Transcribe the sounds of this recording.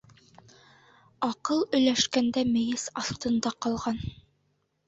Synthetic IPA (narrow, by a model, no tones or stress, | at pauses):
ɑqɤlˠɵ̆jlæʃkænd̪æmɘ̆jɘsɑθt̪ɤ̆nd̪ɑqɑlˠʁɑn